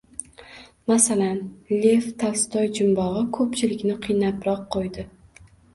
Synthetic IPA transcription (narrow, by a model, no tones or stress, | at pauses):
masalanlʲe̞ft̪ʰalst̪ɒjd͡ʒɪmbɒʁɨkʰɵpt͡ʃʰɪlɪkʲnɪqʰɨjnapɾɒqʰːojd̪ɪ